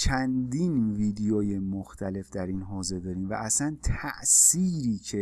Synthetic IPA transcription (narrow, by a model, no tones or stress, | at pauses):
t͡ʃʰænd̪iːnviːd̪ejɒːjemoxt̪ʰæle̞fd̪æɾiːnɦɒːze̞d̪ɒːɾiːmvæ̰ʔæsænt̪ʰæʔsiːɾiːcʰe̞